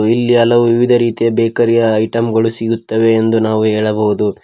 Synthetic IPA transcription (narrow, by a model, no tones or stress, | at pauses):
ilːiɐlɐʋuʋiʋid̪ɐɾiːt̪ijɐbɛːkɐɾijɐːjʈɐmɡɐɭusiɡut̪ːɐʋe̞ːnd̪unaːʋuɦeːɭɐbɐʋud̪u